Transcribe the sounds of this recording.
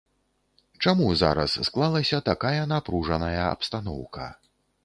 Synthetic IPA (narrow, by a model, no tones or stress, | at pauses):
t͡ʂamuza̰ɾɐ̰sːklˠalˠɐsʲɐt̪akajɐnapɾuʐɐnɐjɐɐ̰pst̪an̪ɔ̰wkɐ̰